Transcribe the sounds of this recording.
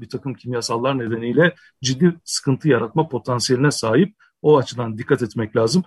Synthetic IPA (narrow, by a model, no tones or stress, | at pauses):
bit̪ʰakɯmcʰimjasalˠːaɾne̞d̪e̞nijlʲɛ | d͡ʒid̪ːisɯ̥kʰɯnt̪ʰɯjaɾat̪̚mapʰo̞t̪ʰansije̞lʲinɛsaːɦip̚ | o̞at͡ʃʰɯd̪and̪ikʰːat̪ɛt̪mɛclʲaːzɯm